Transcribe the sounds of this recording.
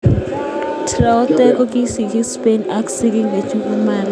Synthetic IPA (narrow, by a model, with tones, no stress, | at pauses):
tʰra˦u˦tʼɛ˦k̬ʼɔ˦k̬ʼi˦si˨ki˦spena˦ku̥si˦k̬i˦ŋe˨t͡ʃʰʼu˦u˦maː˦li